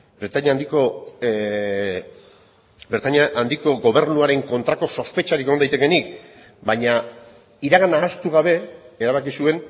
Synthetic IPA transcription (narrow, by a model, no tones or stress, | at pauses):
bɾet̪aɲand̪iko | beɾt̪aɲaʔːnd̪iko̞ɣo̞β̞e̞ɾnuaɾe̞ŋko̞nt̪ɾako̞so̞spe̞t͡ʃaɾikeajt̪eke̞nik̚ | baɲa | iɾaɣanaːst̪uɣ̞aβ̞e̞ːɾaβ̞akisue̞n